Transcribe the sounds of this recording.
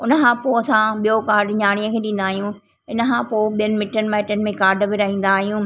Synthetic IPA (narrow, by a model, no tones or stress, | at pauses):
ʊnəkʰãːpoːɐsãɓijokaːɾɖɲaːɽ̃ijəkʰeːɗĩːnd̪aːɦijũː | ɪnə̆kʰãpoːɓijənɪ̆mɪʈənɪ̆mɛːɪʈənɪ̆mẽkaːɾɖbɪɾɐɦĩːnd̪aːɦijũː